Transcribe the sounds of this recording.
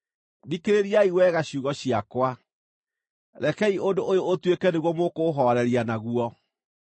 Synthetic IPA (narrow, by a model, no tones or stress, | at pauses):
dikeɾeɾiaiwɛɣaɕuɣɔɕiakwa | ɾɛkɛiondoojootwekɛneɣwɔmokoɦɔɾɛɾianaɣuɔ